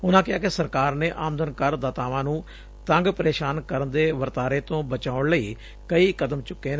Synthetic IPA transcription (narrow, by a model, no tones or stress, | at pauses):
ʊnãːkɪaːkɪsəɾkaːɾneːʔaːmd̪ənkəɾd̪aːt̪aːʋãːnũː | t̪ə̃ŋɡpəɾeːʃaːnkəɾənd̪eːʋəɾt̪aːɾeːt̪õːbət͡ʃaːʊɳləiː | kəiːkəd̪əmt͡ʃʊkːeːn